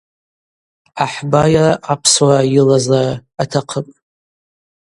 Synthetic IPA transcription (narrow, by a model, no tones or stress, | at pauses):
aħbajaapʰswajɪlazaatʰaqʰəpʼ